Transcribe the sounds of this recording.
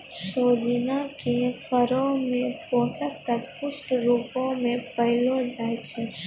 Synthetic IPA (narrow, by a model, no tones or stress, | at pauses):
soːd͡ʒinakefəɾõmẽpɔ̃ːsəkt̪ət̪pʊʃʈɾuːpõmẽpəɦɪlod͡ʒaːjt͡ʃʰeː